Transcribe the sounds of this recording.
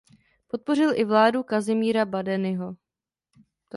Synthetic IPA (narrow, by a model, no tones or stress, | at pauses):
po̞t̪̚po̞r̝ɪlʔɪvlaːdukazɪmiːɾabadɛnɪɦo̞ | t